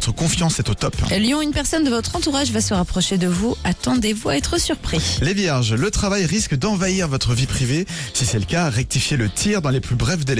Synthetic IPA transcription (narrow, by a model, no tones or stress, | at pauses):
t̪χəkɔ̃fjɑ̃sɛt̪ot̪ɔpɛljɔ̃ynpɛʁsɔnd̪əvɔt̪χɑ̃t̪uʁaʒvasəʁapχɔʃed̪əvuʔat̪ɑ̃d̪evuaɛt̪χəsyʁpχilevjɛʁʒlət̪χavajʁiskd̪ɑ̃vaiʁvɔt̪χəvipχivesisɛləkʲaʁɛk̚t̪ifjelət̪ʰiʁd̪ɑ̃leplybʁɛvd̪el